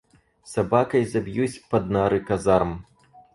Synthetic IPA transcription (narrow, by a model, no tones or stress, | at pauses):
sabakɐjzabʲjusʲpɐd̪̚naɾɨkazaɾɐm